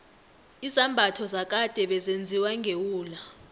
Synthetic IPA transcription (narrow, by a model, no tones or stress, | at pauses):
izambʱatʰɔzak̬ʼad̥ʼʱɛɓɛzend͡zʱiwaŋɡʱewuːla